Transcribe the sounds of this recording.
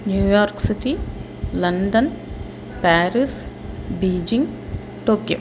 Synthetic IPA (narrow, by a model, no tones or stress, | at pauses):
njuːjaːɾksiʈi | lɐnɖɐn | paːɾis | biːd͡ʒiŋɡ | ʈoːkjo